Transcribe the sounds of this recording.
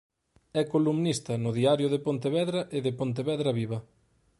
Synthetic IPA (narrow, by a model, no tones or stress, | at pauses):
ɛkolumnist̪ɐnʊðiaɾjʊðepont̪eβɛðɾɐʔɪðɪpont̪̬eβɛðɾɐβiβɐ